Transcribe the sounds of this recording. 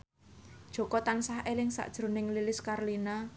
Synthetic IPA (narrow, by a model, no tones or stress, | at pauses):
d̥ʒ̥ɔ̤kɔt̪ansahʔelɪŋsa̰ʔd̥ʒ̥ɾo̤nɪŋlilɪskarlina